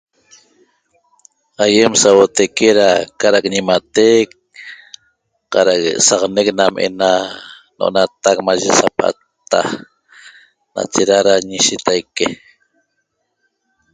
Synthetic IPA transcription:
ajemsawot̪ajkeɾakaɾakɲimat̪ek | qɑɾakḛʔsɑqneknamʔḛna | noʔo̰nat̪ak̚maʒesapʔa̰t̪ːa̰ | na̰t͡ʃeɾaɾaɲiʃit̪ajke

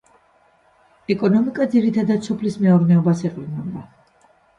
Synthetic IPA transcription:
ɛkʼɔnɔmikʼad̪ziɾit̪ʰad̪ad̪sɔpʰlismɛɔɾnɛɔbasɛqʼlinɔnd̪a

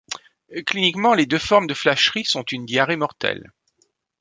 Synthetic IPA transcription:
klinikmɑ̃led̪øfɔʁmd̪əflaʃʁisɔ̃t̪ynd̪jaʁemɔʁt̪ɛ̰l

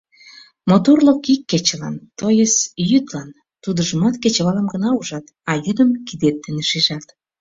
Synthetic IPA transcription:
mot̪orlokikːet͡ɕə̆lɑnt̪ojəsjyd̪lɑn | t̪ud̪ə̆ʒəmɑt̪ket͡ɕəβɑləmɡənɑuʒɑt̪ | ɑjyd̪ə̆mkid̪et̪̚ːə̆neʃiʒɑt̪

